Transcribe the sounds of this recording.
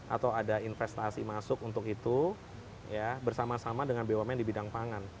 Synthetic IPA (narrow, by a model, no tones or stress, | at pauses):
ʔa̰t̪awadainfɛst̪asimasʊkunt̪ʊkit̪u | jabərsamasamadəŋanbewamjaŋdibidaŋpaŋan